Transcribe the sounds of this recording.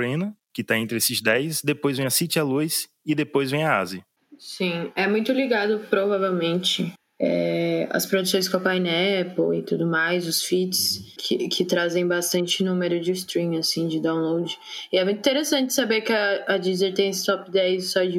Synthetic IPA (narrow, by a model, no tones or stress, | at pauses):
ɾẽnɐkɪt̪aẽnt̪ɾɪesɪzd̪ɛjsd̪epojzvẽj̃ɐsit͡ʃɪɐlujs | ɪd̪epojzvẽj̃ɐa̰zɪ | sĩɛmũj̃t̪ʊliɡad̪ʊpɾovavewmẽnt͡ʃɪ | ɛ̰ɐ̰spɾod̪usõj̃skõpajnɛɛpowɪt̪ud̪ʊmajzʊsfit͡ʃskʰɪkʰɪt̪ɾazẽj̃bast̪ɐ̃nt͡ʃɪnũmeɾʊd͡ʒɪst̪ɾĩmasĩd͡ʒɪd̪ãw̃lowd͡ʒɪɪɛmũjt̪ĩt̪eɾesɐ̃nt͡ʃɪ̥sabeɾkɪɐːd͡ʒizeɾt̪ẽj̃st̪ɔpd̪ɛjzsɔd͡ʒɪ